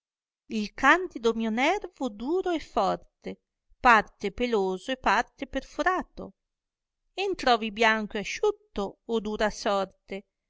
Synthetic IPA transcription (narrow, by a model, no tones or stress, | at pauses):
ilkand̪id̪omiːonɛrvod̪uːɾoɛfːɔrt̪e | part̪epeloːzoepːart̪eperfuɾaːt̪o̰ | ent̪ɾɔːvibjaŋkoeaʃut̪ːoːd̪uːɾasɔrt̪e